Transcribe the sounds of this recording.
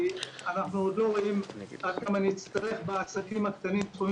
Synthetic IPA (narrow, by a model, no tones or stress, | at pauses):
anaχnuod̪lo̞ʁoimad̪̚kamaniit͡st̪aʁe̞χbeasakimakt̪animt̪χum